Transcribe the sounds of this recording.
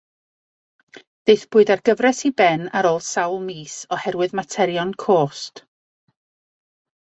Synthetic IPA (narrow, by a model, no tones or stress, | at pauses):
d̥ejθb̥ʊːɨðarɡ̥əvrɛsibɛnaɾoːlˠd̥sawlˠmiːsɔhɛɾwɨðmatʰɛɾjɔnkʰoːst